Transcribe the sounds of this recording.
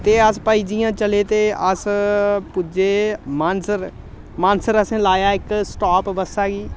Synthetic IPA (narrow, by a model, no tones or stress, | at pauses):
t̪eːəspəid͡ʒijãːt͡ʃəleːt̪eːəspʊd͡ʒeːmaːnsəɾ | mãːnsəɾəsẽːlaːjaːɪksʈaːpʋəsaːɡiː